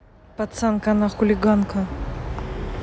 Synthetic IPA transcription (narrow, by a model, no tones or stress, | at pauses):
pɐt̪sankanaxʊlʲɪɡankɐ